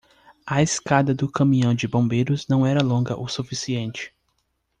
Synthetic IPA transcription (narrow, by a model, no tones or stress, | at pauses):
ɐeskad̪ɐd̪ʊkɐ̃mĩɐ̃w̃d͡ʒɪbõbejɾʊznɐ̃w̃ɛɾɐlõɡɐ̰ʔosufisiẽnt͡ʃɪ̥